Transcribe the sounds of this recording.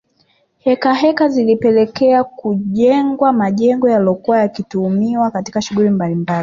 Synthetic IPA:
hɛkaɦɛkazilipɛlɛkɛakuʄɛŋɡwamaʄɛŋɡɔjalɔkuwajakituːmiwakati̥kaʃuɣulimbalimbali

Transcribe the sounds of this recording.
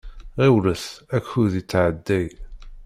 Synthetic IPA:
ʁiwləθækːuðit͡sːʕəd̪ːæj

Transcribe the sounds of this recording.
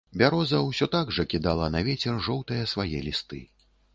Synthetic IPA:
bʲaɾɔzɐwsʲɔt̪aɡʐɐkʲid̪alˠɐnɐvʲɛt͡sʲɛrʐɔwt̪ɨjɐsvajɛlʲist̪ɨ̰

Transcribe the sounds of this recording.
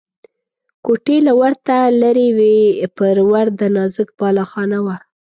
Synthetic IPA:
koʈelawaɾt̪alaɾewepəɾwaɾd̪ənɑzək̚bɑlɑxɑnawa

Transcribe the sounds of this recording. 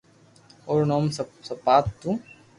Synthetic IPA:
oɾnoːmssɐpaːt̪ːu

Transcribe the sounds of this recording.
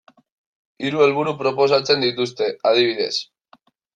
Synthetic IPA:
iɾue̞lβuɾupɾo̞po̞sat͡se̞nd̪it̪ust̪e̞að̞iβ̞iðe̞s

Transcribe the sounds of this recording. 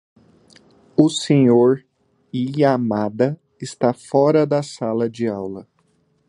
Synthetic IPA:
ʊsẽɲoɾ | ɪaːmad̪ɐ | ɪst̪afɔɾɐd̪ɐsalɐd͡ʒɪawlɐ

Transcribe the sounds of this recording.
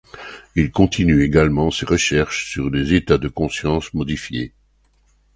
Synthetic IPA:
ilkɔ̃t̪ʰinyeɡalmɑ̃seʁəʃɛʁʃsyʁlezet̪ad̪əkɔ̃sjɑ̃smɔd̪ifjḛ

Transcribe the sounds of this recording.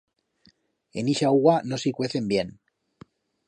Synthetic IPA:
ḛniʃauɣwanosikweθe̞mbjen

